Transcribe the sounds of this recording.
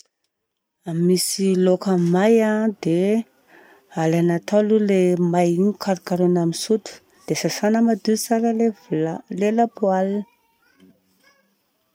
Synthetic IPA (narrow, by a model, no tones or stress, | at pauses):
amːisilokamajad̪e | alanat̪alulemajiɲukʰaɾikaɾunamisut̪u̥ | d̪̥esasanəmad̪ut͡saɾəlevlelapualn